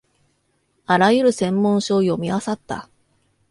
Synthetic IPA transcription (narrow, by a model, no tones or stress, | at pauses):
aɾajɯ̟ɾɯ̟sẽ̞mːõ̞ɰ̃ɕo̞ːjo̞mʲiasat̪ːa̰